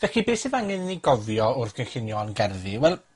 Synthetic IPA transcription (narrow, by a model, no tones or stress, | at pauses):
vɛkibeːsɪvaŋɪðniɡɔvjɔʊrθɡ̥əxɪnjɔnɡɛrðɨwɛlˠ